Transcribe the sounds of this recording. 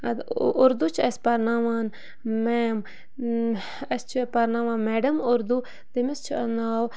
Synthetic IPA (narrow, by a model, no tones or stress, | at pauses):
ɐd̪ʊɾd̪ut͡ʃʰɐsʲpɐɾnaːʋaːn | meːm | ɐst͡ʃʰpɐɾnaʋaːnmeːɖɐmʊɾd̪u | t̪imist͡ʃʰiɐnaːw